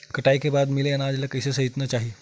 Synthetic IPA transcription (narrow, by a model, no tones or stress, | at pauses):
kəʈajkebad̪mileənad͡ʑlakəjsesəɦit̪nət͡ɕaɦi